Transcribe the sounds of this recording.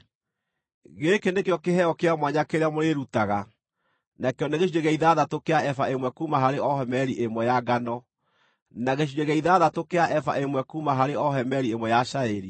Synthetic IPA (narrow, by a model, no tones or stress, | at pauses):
ɣekenekeɔkeɦɛɔkeamwaɲakeɾeamoɾeɾutaɣa | nakeɔneɣeʃueɣɛiðaðatokeaʔɛfa̰ʔemwɛkuːmaɦaɾeɔhɛmɛɾiʔemwɛjaɡanɔ | naɣeɕ̬ueɣɛiðaðatokeaʔɛfa̰ʔemwɛkuːmaɦaɾeɔhɛmɛɾiemwɛjaʃaɛɾi